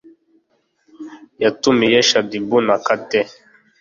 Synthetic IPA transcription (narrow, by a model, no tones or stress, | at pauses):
jatumijɛʃadibunakatɛ